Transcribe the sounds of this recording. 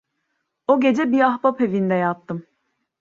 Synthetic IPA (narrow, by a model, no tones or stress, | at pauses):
oɟe̞d͡ʒɛbiahbapevind̪ɛjat̪ʰːɯm